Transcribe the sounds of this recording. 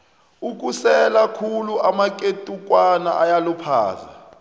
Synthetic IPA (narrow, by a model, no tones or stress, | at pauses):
uk̬ʼusɛlakʰuluamak̬ʼetʼuk̬ʼwana̰ʔajalɔpʰa̰ːza